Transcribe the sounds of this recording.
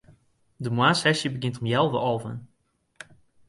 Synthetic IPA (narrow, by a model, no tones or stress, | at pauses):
dəmwaːsɛsjəbəɡɪntɔmjɛlˠvəʔɔlˠvə̰n